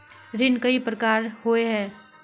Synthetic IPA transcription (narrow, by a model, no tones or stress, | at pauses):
ɾɪnkəipɾəkaːɾɦoeɦɛː